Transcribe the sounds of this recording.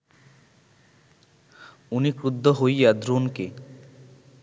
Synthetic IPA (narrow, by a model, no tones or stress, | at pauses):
unikɾud̪ʱːɔɦojjad̪ɾonke